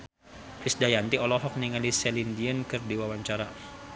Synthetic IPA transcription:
fisdajant̪iɔlɔɦɔk̚niŋalisɛlindiənkɨrdiwawaɲt͡ʃaɾa

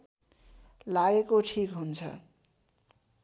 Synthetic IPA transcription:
laɡekoʈʰikɦunt͡sʰʌ̰

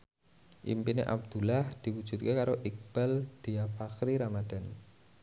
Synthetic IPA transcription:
ʔḭmpinḛʔa̰b̚d̪̥ṳlahd̪̥i̤wu̥ʒ̥ṳt̪̚kekaɾoʔik̚b̥ɛld̪̥iafakɾiɾamad̪̥a̤n

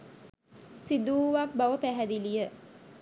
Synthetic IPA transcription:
sid̪uːʋak̚baʋəpæɦæd̪ilijə

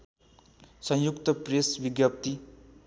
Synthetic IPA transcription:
sʌ̃jukt̪ʌpresbiɡjʌp̚t̪i

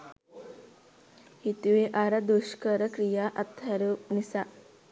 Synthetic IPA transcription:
hit̪uʋeʔaɾɐd̪uʃkəɾəkɾijaʔɐt̪ʰːɐɾunisa

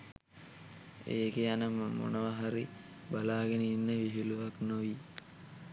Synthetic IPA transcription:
ḛːkejanəmo̰nəʋaɦaɾi | balaːɡeniːnːəʋiɦiluʋaknoʋi

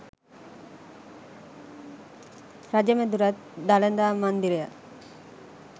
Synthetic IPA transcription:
ɾad͡ʒemed̪uɾat̪ | d̪alend̪aːmand̪iɾeja

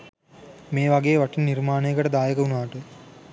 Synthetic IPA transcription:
meːʋaɡeːʋaʈinnirmaːnejəkəʈəd̪aːjəkəunaːʈə

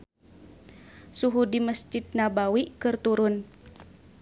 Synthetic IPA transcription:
suɦudiməsd͡ʒid̪̚nabawikɨrt̪uɾʊn

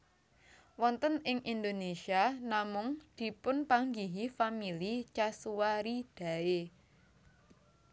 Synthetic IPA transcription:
wɔnt̪ənɪŋʔind̪onesianamʊŋd̪̥i̤pʊnpaŋɡiɦifamilit͡ʃasuwaɾid̪̥ä̤e

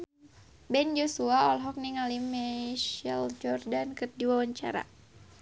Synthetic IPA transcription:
bɛnd͡ʒosuaɔlɦɔk̚niŋalimɛʃɛld͡ʒɔrdankɨrdiwawaɲt͡ʃa̰ɾa̰

